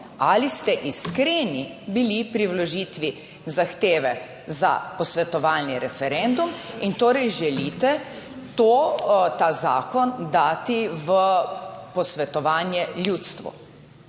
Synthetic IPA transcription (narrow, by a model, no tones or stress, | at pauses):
alist̪ɛʔiskɾeːnibilipɾiwlɔʒiːt̪ʋi | zaxt̪eːʋɛ | za̰pɔsʋɛt̪ɔʋaːlniɾɛfɛɾɛnd̪umint̪oːɾɛjʒɛlit̪ɛ | t̪oːt̪aːzaːkɔnd̪aːt̪iʋəpɔsʋɛt̪ɔʋaːnjɛlʲjuːt̪st̪ʋɔ̰